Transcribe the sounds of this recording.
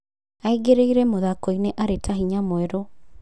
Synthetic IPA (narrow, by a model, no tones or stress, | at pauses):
aiɡeɾeiɾɛmoðakoineʔaɾetʰaɦiɲamwɛɾo